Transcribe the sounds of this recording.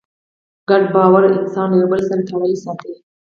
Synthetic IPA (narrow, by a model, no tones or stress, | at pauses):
ɡaɖbɑːwaɾɪ̰nsɑnjobəlsant̪ʰawaisɑt̪əl